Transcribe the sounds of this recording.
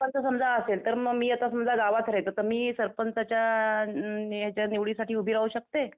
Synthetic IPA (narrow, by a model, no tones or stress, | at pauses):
ənt͡səsəmd͡zʱaəselt̪əɾməɡmiːat̪asəmd͡zʱaɡaʋat̪ʰɾajt̪ət̪əɾmiːsəɾpənt͡sat͡ɕja | jat͡ɕjaniʋɭisaʈʰiːubʱiɾaʋuɕək̚t̪e